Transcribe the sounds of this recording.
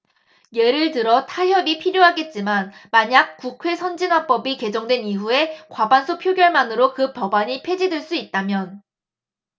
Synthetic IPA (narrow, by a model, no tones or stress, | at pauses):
je̞ɾɯɭtɯɾʌtʰaɦjʌbipʰiɾjoɦaɡe̞t̚t͡ɕ͈imanmaɲak̚k͈ukʰwe̞sʰʌnd͡ʑinwap͈ʌbike̞d͡ʑʌŋdwe̞niɦue̞kwabansʰopʰjoɡjʌɭmanɯɾokɯpʌbaɲipʰe̞d͡ʑidweɭs͈uit̚t͈amjʌn